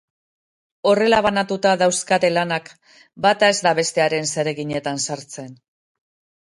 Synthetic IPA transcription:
o̞re̞laβ̞anat̪ut̪aðawskat̪e̞lanak | bat̪ae̞zd̪aβe̞st̪e̞aɾe̞nse̞ɾe̞ɣiɲe̞t̪ansaɾt͡se̞n

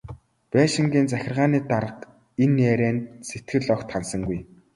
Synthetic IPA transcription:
pæːʃĭŋɡʲiːnt͡sæxʲɪ̆rʁaːniːt̪aɾə̆q | enːeːɾæːnset̪ɡɘ̆ɮɔkt̪χansə̆ŋɡuj

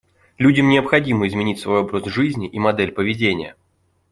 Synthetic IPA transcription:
lʲudʲɪmnʲɪəpxɐdʲimɨɪzmʲɪnʲitʲsvojobɾəzʐɨzʲnʲɪʔimɐd̪ɛlʲpəvʲɪdʲenʲɪjə̰

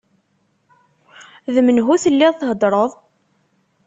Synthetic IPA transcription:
ðəmənɦuθəlːiðθɦəd̪ˤɾˤəðˤ

